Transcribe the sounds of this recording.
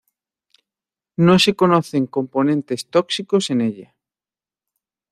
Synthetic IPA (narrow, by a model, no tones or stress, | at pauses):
nosekonoθeŋko̞mpo̞nẽnt̪e̞st̪oksikoseneʎa